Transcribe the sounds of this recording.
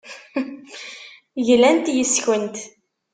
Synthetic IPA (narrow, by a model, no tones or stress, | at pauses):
ʝlænt̪jəsçənt̪